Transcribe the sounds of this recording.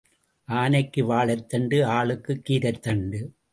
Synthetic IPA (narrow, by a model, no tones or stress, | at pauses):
ʔaːnɐɪkːɯʋaːɭɐt̪ːɐɳɖɯaːɭɯkːɯkːiːɾɐt̪ːɐɳɖɯ